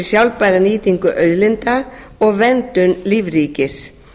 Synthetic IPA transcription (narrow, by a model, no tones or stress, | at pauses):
sjawlpajðaniːt̪iŋkʏʔœɥðlɪnt̪a | ɔɣvɛnt̪ʏnlivɾiːcɪs